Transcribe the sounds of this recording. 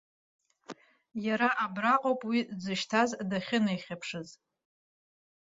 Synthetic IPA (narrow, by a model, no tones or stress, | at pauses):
jaɾaʔabraqʼowpʼwid͡zɨʃtʰazdaχʲɪnajχʲapʰʂɨz